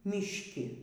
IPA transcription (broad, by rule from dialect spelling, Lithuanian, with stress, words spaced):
mʲɪʃʲˈkʲɪ